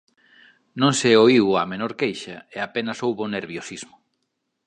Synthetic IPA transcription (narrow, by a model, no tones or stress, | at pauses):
nõŋseoiwamenoɾkejʃɐeapenɐsowβoneɾβjosizmʊ